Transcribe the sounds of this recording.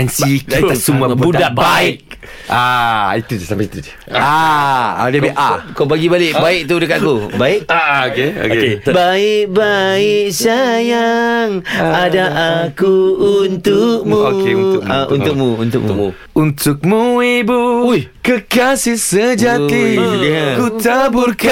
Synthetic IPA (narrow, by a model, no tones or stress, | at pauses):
ɛnsik̪asumabuddaʔbbaɪk̚ | ait̪udsampasit̪ud | aa̰diabeʔa̰kobaɡibalɪʔbaɪk̚t̪udəkat̪akubaɪʔokeo̰kkebaɪk̚baɪk̚sajaŋadaʔakuunt̪uk̚mueaʔṵnt̪uk̚muunt̪ukm̰u | unt̪ʊk̚muibukəkasisəd͡ʒat̪i | kut̪abuk